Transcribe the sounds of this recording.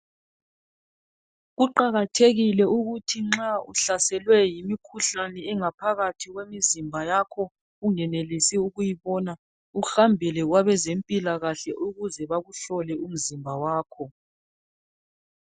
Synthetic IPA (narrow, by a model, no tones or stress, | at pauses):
ɣuǃaɣatʰeɣilɛuɣutʰiŋ͡ǁauɬasɛlwɛjimikʰuɬanɛɛŋapʰaɣatʰiɣwemizimbʱajakʰɔ | ɣuŋɛnelisiuɣujiβɔna | uxambʱilɛɣwaβɛzempʼilaɣaɬɛʔuɣuzɛβaɣuɬɔlɛum̩zimbʱawaːkʰɔ